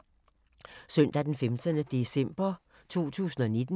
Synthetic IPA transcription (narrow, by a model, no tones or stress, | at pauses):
sœn̰d̥æd̥enfemd̥ʰənəd̥e̝sem̰b̥ɐ | t͡sʰo̝̰ːt͡sʰṵːsn̩ɒ̽ned̥n̩